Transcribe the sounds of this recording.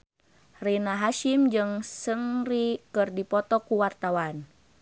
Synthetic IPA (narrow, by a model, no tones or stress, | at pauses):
rinaɦaʃimd͡ʒɨŋsəŋrikɨrdipɔt̪ɔkuwart̪awan